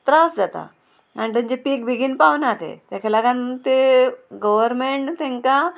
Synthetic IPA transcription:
t̪ɾasd͡zat̪a̰ | añit̪əɲd͡ʑepiːk̚bʱiɡinpaʋnat̪ḛt̪jakʰalaɡant̪eɡəʋəɾmeɳʈt̪ɛ̃ŋka

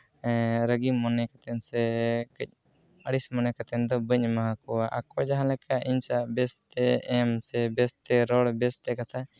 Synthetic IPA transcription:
ɾəɡimɔnɛkat̪ɛnsɛkəc̚ˀ | əɽismɔnɛkat̪ɛnd̪ɔbəɲmaɦãkɔwaʔakɔd͡ʒaɦãlɛkʰaʔiɲsaaʔbɛst̪ɛɛmsɛbɛst̪ɛɾɔɽbɛst̪ɛkat̪ʰa

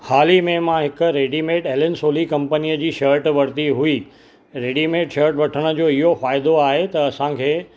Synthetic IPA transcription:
haːlimẽmãɦɪkʊ̆ɾeːɖimeːʈeːlɪnsoːlikɐ̃mpəniːəd͡ʑiːʃɐɾʈʋɐɽt̪iɦʊiː | ɾeːɖimeːʈʃɐɾʈʋɐʈʰəɽ̃ə̆d͡ʑoːɪɦofaːɪd̪oaːɦet̪ɐɐsãkʰeː

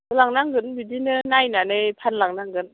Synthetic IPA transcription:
ɯlaŋnaŋɡɯnbidinɯnajnanɯjpʰanlaŋnaŋɡɯn

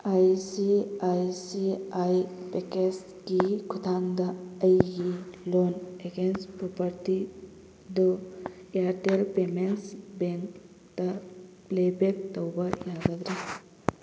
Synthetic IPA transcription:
ajsiajsiajpekes | kikʰut̪ʰaŋd̪aəjɡiloneɡenspɾɔpɐɾti | d̪ojaɾʈelpemensbeŋk | t̪ɐ | plebek̚t̪əwbɐjaɡad̪ɾi

